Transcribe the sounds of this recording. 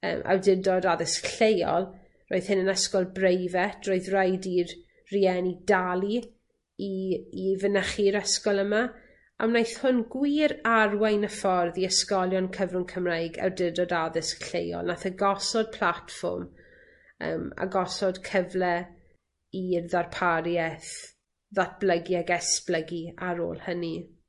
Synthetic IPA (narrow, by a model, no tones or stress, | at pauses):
ə̰ːmʔa̰wdɪdɔdaðɪsɬejɔ̰lˠ | roːɨð̥hɪnənəskɔlˠbrejvɛtʰroːɨðrajdir | riɛnidalˠi | iːvənəχiɾəskɔlˠəma | a̰mnajθhʊnɡwiːɾarwajnəfɔrðiəskɔlˠjɔnkʰəvrʊnkʰəmrajɡɛ̰wdɪdɔdaðɨsə̥ɬejɔ̰lˠnaθəɡɔsɔd̥̚pʰl̥ˠatfɔ̰rm | ə̰ːma̰ɡɔsɔd̥kʰəvlɛ | irðarpʰaɾjɛθ | ðat̚b̥ləɡjɛɡɛsb̥ləɡiaɾo̰ːlˠhəni